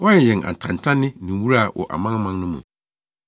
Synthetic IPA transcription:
wɔ˦ɲɪ̃˨jɪ̃˨na̰˨n˨tʰã˨n˨tʰã˦nɪ̃˦nĩ˨wu˦ɾa˦˨wʔɔ̰˨ʔa̰˨mã˦ŋ˦mã˦ŋnʊ̃˦mṵ̃˨

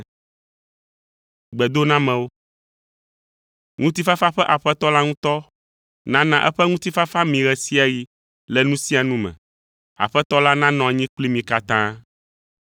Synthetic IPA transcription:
ɡ͡bɛ˨d̪o˦nã˦mɛ̃˨wo˦ | ŋũ˦t̪i˦fa˦fa˦ɸɛ˦ʔa˨ɸɛ˦t̪ɔ˦la˦ŋũ˦t̪ɔ˦ | nã˦nã˨ʔɛ˦ɸɛ˦ŋũ˦t̪i˦fa˦fa˦mĩ˨ɣɛ˨si˦a˨ji˨ | lɛ˨nũ˦si˦a˨nũ˦mɛ̰̃˨ | a̰˨ɸɛ˦t̪ɔ˦la˦nã˦nɔ̃˨a˨ɲĩ˦k͡pli˦mĩ˨ka˨t̪ã˦

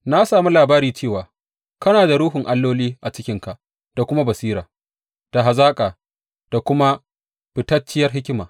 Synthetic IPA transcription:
na˦saː˨mu˦laː˨baː˦ɾiː˨t͡ʃeː˦˨waː˨ | kɐ˦naː˨da˨ɾuː˦ɦʊ˨ŋʔa˦lːoː˦liː˦ʔa˨t͡ʃɪ˦kʲɪ˦ŋka˨ʔ | d̥a˨kʷʊ˦ma˦bɐ˨siː˦ɾaː˨ | d̥a˨ɦa˨zaː˦kʼaː˨ | d̥a˨kʷʊ˦ma˦ | ɸɪ˨tɐ˦t͡ʃːɪ˦jɐ˦rɦɪ˦kʲɪ˦ma̰ː˨

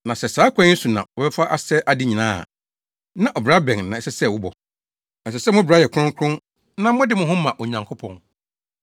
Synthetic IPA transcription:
nã˨sɛ˨saː˨˦kʷʰɛ̃˦su˨nã̰˨wɔ˨bɛ˦fa˦ʔa˦sɛ˦ʔa˨dɪ˦ɲĩ˨nã̰ː˦a̰˨ | nã˦˨ʔɔ˨bɾa˦bɛ̃˨ŋnã˨ɛ˨sɛ˦sɛ˦˨wʊ˦bɔ˨ | ɛ˨sɛ˨sɛ˦˨mʊ̃˦bɾa˦jɛ˨kʰʊ˦ʊ̃˦ŋkʰʊ̃˦n | nã˦mʊ̃˦dɪ˦mʊ̃˨ɦʊ̃˦mã˨ʔo˨ɲã˨ŋkʰo˦pʰɔ̰̃˨n

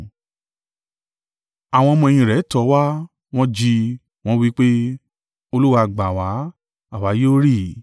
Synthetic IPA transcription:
a˨w̃ɔ̃˧mɔ̃˧ɛ˧j̃ĩ˧˨ɾɛ˨˦tɔ˨˦wa˦ | w̃ɔ̃˦d͡ʒi˧ | w̃ɔ̃˦wi˦k͡pe˦ | o˧lu˦wa˧˨ɡ͡ba˨wa˨˦ | a˦˨wa˨˦je˦o˦ɾi˦˨

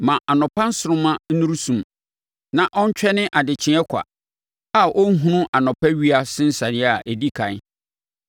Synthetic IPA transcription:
mã˨ʔa˨nʊ̃˨pã˦n̩˦sʊ˨ɾʊ̃˦mã˦n̩˦nũ˦ɾu˦sũ˨m | nã˨ʔɔ̃˦ɲ̩˦t͡ɕᶣɛ˦nɪ̃˦ʔa˨dɪ˨t͡ɕʰɪ̃˦ɛ˦kʷʰa̰˨ | a˦˨ʔɔ˦n̩˦ɦũ˦nʊ̃˦ʔa˨nʊ̃˨pʰa˦ɥi˦a˦sɪ̃˦n̩˦sa˨nɪ˦a˨ʔe˨di˦kʰã˨˦

